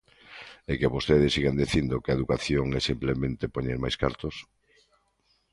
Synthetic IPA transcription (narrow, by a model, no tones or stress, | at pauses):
ekeβost̪eðesiɣand̪eθind̪okeɐeðukaθjoŋɛsimplemẽnt̪epoɲeɾmajska̰ɾt̪os